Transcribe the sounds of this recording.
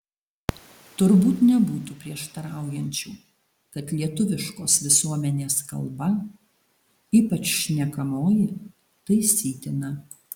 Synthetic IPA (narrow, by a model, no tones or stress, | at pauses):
t̪ʊɾbuːt̪nʲɛbuːt̪uːpʲɾʲiɛʃt̪ɐɾɑˑʊjɛnʲt͡ʃʲuː | kɐt̪lʲiɛt̪ʊʋʲɪʃkoːsʋʲɪsuɔmʲɛnʲeːskɐ̰lˠbɐ | iːpɐt͡ʃʃʲnʲɛkɐmoːjɪ | t̪ɐɪsʲiːt̪ʲɪnɐ